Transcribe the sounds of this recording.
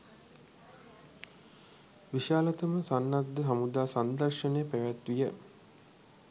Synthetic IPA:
ʋiʃaːlat̪əməsanːad̪ːəɦamud̪aːsand̪ərʃənejəpæʋæt̪ʋijə

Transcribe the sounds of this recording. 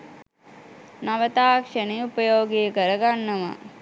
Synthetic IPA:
nɐʋɐt̪aːkʂɐniupɐjoːɡijɐkɐɾɐɡɐɳːɐmɐ̰

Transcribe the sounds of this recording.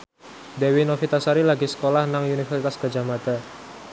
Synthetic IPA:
d̪ewinofit̪asaɾilaɡisə̥kolahnaŋunifɛrsit̪asɡ̥a̤d͡ʒahmad̪̥a̤

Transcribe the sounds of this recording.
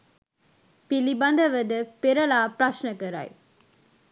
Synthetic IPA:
pilibɐnd̪ɐʋɐd̪ɨpeɾɐɭaːpɾɐʃnɐkɐɾa̰j

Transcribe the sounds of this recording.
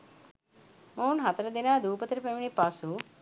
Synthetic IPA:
monɦat̪əɾəd̪inaːd̪uːpət̪ɾəpɛminipasu

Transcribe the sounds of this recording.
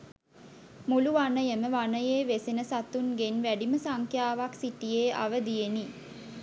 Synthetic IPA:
muluʋanəjəməʋanəjeːʋesinəsat̪unɡenʋæɖiməsaŋkʰjaːʋaksiʈijeːʔa̰ʋəd̪ijeni

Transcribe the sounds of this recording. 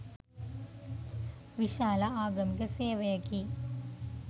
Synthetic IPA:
ʋiɕaːlɐaːɡɐmikːɐseːʋɐjɐkːi

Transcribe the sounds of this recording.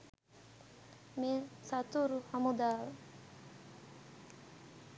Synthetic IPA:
mesat̪uɾuhamod̪al

